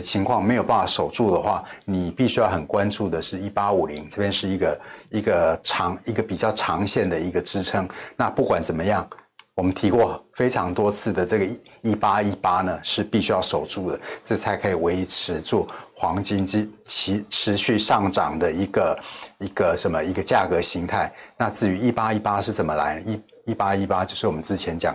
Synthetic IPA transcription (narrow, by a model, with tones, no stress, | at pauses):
ə˨t͡ɕʰi˧˥ŋkʰwɑ˥˩ŋme˧˥ɪjo˨˩ʊpa˥˩n˩fa˥˩ʂo˨˩ʊʈ͡ʂu˥˩d̪ə˩xwa˥˩ni˨˩pi˥˩ɕy˥jɑ˥˩ʊxə˨˩nkwa˦nʈ͡ʂu˥˩d̪ə˩ʂɻ̩˥˩i˥pa˥u˨˩li˧˦ŋʈ͡ʂɤ˥˩pjɛ˥nʂɻ̩˥˩i˧˥ɡə˧i˧˥ɡə˧ʈ͡ʂʰɑ˧˥ŋi˧˥ɡə˨pi˨˩t͡ɕjɑ˥˩ʊʈ͡ʂʰɑ˧˥ŋɕjɛ˥˩nd̪ə˩i˧˥ɡə˨ʈ͡ʂɻ̩˥ʈ͡ʂʰɤ˥ŋna˥˧pu˥˩kwa˨˩nt͡sə˨˩nmə˦jɑ˥˩ŋ | wɔ˨˩mə˦nt̪ʰi˧˥kwɔ˥˩fe˥ɪʈ͡ʂʰɑ˧˥ŋt̪wɔ˥t͡sʰɹ̩˥˩d̪ə˩ʈ͡ʂɤ˥˩ɡə˩˥i˦˥pa˥i˥pa˥nə˨ʂɻ̩˥˧pi˥˩ɕy˥jɑ˥˩ʊʂo˨˩ʊʈ͡ʂu˥˩d̪ə˩ʈ͡ʂɤ˥˩˨t͡sʰa˧˥ɪkʰɤ˧˥i˨˩we˧˥ɪi˧˦˥ʈ͡ʂʰɻ̩˧˥t͡swɔ˥˩xwɑ˧˦˥ŋt͡ɕi˥nt͡ɕi˥t͡ɕʰi˧˥ʈ͡ʂʰɻ̩˧˥ɕy˥˧ʂɑ˥˩ŋʈ͡ʂɑ˨˩ŋd̪ə˦i˧˥ɡə˧i˧˥ɡ̥ə˧ʂə˧˦nmə˧i˧˥ɡə˧t͡ɕja˥˩kɤ˧˥ɕi˧˥ŋt̪ʰa˥˩ɪna˥˧t͡sɹ̩˥˩y˧˥i˥˧pa˥i˥pa˥ʂɻ̩˥˩t͡sə˨˩nmə˦la̰˧˥ɪnə˧˦i˥˩ | i˥˩pa˥i˥pa˥t͡ɕjo˥˧ʊʂɻ̩˥˩wɔ˨˩mə˦n˦t͡sɻ̩˥˩t͡ɕʰjɛ˧˦˥nt͡ɕjɑ̰˨˩ŋ